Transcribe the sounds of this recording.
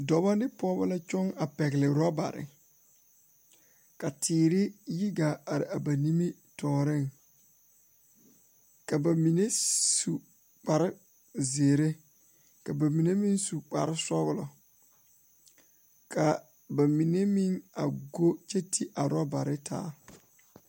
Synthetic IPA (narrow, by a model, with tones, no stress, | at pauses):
dɔ˨ba˦nɪ˦pɔ˦ba˦la˦t͡ʃɔ˦ŋa˨pɛ˨ɡlɪ˨ɾɔ˦ba̰˨ɾɪ̰˨ | ka˨tʰiː˨ɾɪ˦ji˦ɡa˨a˨ɾɪ̰˨a˨ba˨ni˦mi˦ | tʰɔː˨ɾɪ˦˨ŋ | ka˨ba˨mi˨ne˦su˨ | k͡pa˨ɾɪ˦ | ze˨ɾe˦ | ka˨ba˨mi˨ne˦mi˦nsu˨k͡pa˨ɾɪ˦sɔ˦ɣʊ˦lɔ˨ | kʰa˨ | ba˨mi˨ne˦mi˦ŋa̰˨ɡo˦t͡ʃe˦tʰi˦ʔa˨ɾɔ˦ba˨ɾɪ˦tʰa̰ː˨˦